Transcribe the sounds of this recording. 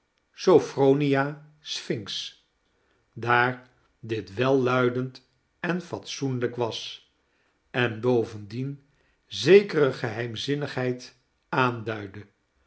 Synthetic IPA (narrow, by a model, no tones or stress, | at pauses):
sowfrownijaː | sfɪŋks | daːɹ | dɪtʋɛlˠːœɥdənt | ɛnfɑtsunləkʋɑs | ɛnbowvəndin | zejkərəχəɦɛjmzɪnəχɦɛjt | aːndœɥdə